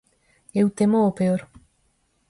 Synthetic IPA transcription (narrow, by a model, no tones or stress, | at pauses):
ewt̪emoopeoɾ